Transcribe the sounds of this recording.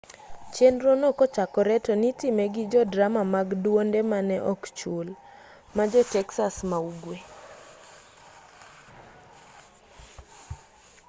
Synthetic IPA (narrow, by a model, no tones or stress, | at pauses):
t͡ʃenɾonokɔt͡ʃakɔɾɛtɔnitɪmɛɡɪd͡ʒɔdɾamamaɡdwondɛmanɛʔɔkt͡ʃul | mad͡ʒɔtɛksasmauɡwe